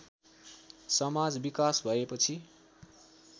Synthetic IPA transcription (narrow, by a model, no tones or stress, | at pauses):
sʌmad͡zbikasbʱʌepʌt͡sʰi